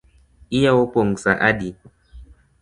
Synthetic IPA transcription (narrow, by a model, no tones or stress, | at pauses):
ijaɔpɔŋsaʔaɗi